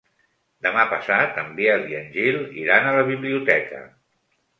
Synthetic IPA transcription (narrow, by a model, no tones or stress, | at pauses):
d̪əmapəsat̪əmbiəziənʲʒilḭɾanələβiβliut̪ɛkə̰